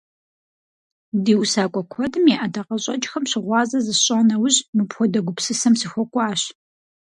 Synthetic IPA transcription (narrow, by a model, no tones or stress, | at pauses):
diːwsaːkʷʼɔkʷʰɔdɨmeʔɐdɐqɐɕʼɐt͡ʃʼxɐmɕɪʁʷɑːzɐzɨɕʼaːnɐwʊʑmɨpxʷɔdɐɡʷʊpsɨsɐmsɨxʷɔkʷʼɑːɕ